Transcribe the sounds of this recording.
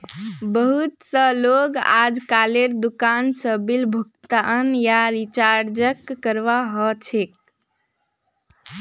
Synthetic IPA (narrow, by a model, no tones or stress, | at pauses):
bəɦut̪səloɡa̰d͡ʒkaleɾd̪ukansə̃bilbʱuk̚t̪aənjaɾit͡ʃaɾd͡ʒəkːəɾʋaɦɔt͡ʃʰek̚